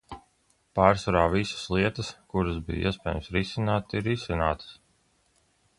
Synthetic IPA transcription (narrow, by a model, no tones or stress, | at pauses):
paːɾsuɾaːvisɐ̥slˠiɛt̪əskuɾasbḭj̰ḭɛspɛːjmsɾisinaːt̪iɾisinaːt̪ə̥s